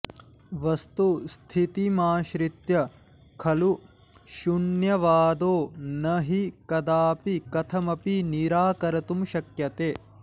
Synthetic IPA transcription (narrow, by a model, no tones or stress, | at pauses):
ʋɐst̪ust̪ʰit̪imaːʃɾit̪jɐ | kʰɐlu | ʃuɳjɐʋaːd̪oːnɐɦikɐd̪aːpikɐt̪ʰɐmɐpiniɾaːkɐɾɐt̪umʃɐkjɐt̪eː